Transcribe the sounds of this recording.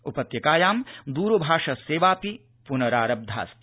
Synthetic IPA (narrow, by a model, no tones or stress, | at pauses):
upɐt̪jɐkaːjaːmd̪uːɾubʱaːʂɐseːʋaːpi | punɐɾaːɾɐb̚d̪ʱa̰ːst̪